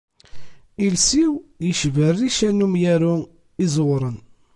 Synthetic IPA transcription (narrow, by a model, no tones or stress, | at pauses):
ilsiwjəʃvərːiʃænumjæɾʊ | izwɾˤən